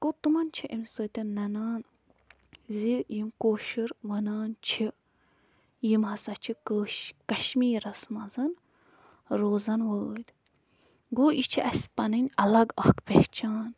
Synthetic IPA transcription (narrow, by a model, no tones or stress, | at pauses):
kot̪umɐnt͡ʃʰiʔimsoːt̪ɐnɐnaːn | zijimkoːʃiɾʋɐnaːnt͡ʃʰi | jimhɐsɐt͡ʃʰikːkɐʃmiːɾɐsmɐzɐn | ɾoːzɐnwəlʲ | ɡoːʔit͡ʃʰiʔɐsʲpɐnɐnʲɐlɐɡɐkpekt͡ʃʰaːn